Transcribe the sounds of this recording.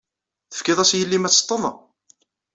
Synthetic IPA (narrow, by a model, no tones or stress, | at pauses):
θə̥fkɪðˤæsjəlːimæ̥ːt̪ˤːəðˤɑ̰